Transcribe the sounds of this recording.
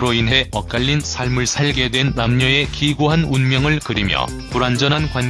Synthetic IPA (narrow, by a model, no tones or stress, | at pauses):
ɾoinɦe̞ʌk̚k͈aʎːinsʰaɭmɯɭsʰaɭɡe̞dwe̞nːamɲʌe̞kiɡoɦanunmjʌŋɯɭkɯɾimjʌ̰ | puɾand͡ʑʌnɦankwaɲ